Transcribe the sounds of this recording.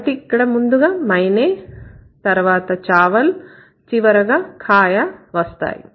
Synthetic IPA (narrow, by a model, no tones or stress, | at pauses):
ʈikːɐɽɐmund̪uɡɐmɐjneːt̪ɐɾʋaːt̪ɐt͡ʃaːʋɐl | t͡ʃiʋɐɾɐɡɐkʰaːjɐʋɐst̪a̰ːjḭ